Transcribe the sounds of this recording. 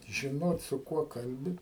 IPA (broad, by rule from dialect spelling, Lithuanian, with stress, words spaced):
ʒʲɪˈnoːt sʊ ˈkuɔ ˈkɐlʲbʲɪ